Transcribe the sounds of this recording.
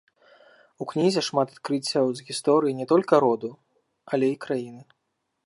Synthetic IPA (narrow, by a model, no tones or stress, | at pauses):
uknʲizʲɛʂmat̪ḁt̪̚kɾɨt͡sʲːɐwzɣʲist̪ɔɾɨjinʲɛt̪ɔlʲkɐɾɔd̪u | ɐlʲɛikɾajinɨ